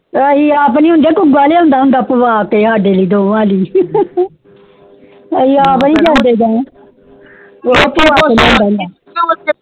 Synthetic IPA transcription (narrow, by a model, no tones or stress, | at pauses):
əiːaːpniːɦʊ̃nd̪eːkʊɡaːleːɦʊ̃nd̪aːɦʊ̃nd̪aːpəʋaːkeːɦaːɖeːliːd̪oːʋãːliː | əiːaːpnĩːd͡ʒãːnd̪eːd͡ʒãː | opəʋaːeliːɦʊ̃nd̪aːɦnd̪aː